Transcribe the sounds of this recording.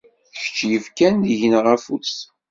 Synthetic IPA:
θə̥çə̥t͡ʃːjəvkænðiʝənʁæfus

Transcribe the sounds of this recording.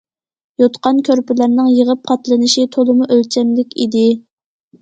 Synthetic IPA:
jot̪qɑnkʲʰøɾpɪlæɾnɪŋjəʁəp̚qʰɑt̪lˠɨnɨʃit̪ʰolˠɨmuʔølt͡ʃʰɛmlɪkʲid̪ɪ

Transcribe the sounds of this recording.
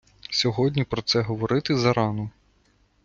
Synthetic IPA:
sʲɔɦɔdʲnʲipɾɔt̪sɛɦɔʋɔɾɪt̪ɪzɐɾɑnɔ

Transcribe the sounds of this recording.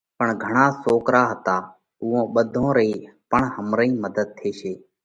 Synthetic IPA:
pəɳɡʱəɳaːsoːkɾaːɦət̪aː | ʊːõːɓəd̪ʱõːɾəiːpəɳɦəmɾəĩːməd̪əd̪̚t̪ʰeːʃeː

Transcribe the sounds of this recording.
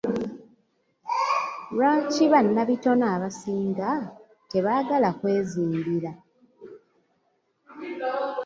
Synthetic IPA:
lwaːciβanːaβito̞naːβasiːŋɡa | te̞βaːɡalakwe̞ːziːmbiɾa

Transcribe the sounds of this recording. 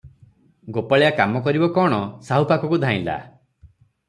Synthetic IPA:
ɡopaɭejakamɔkɔɾibɔkɔɽ̃ɔsaɦupakɔkud̪ʱaĩla̰

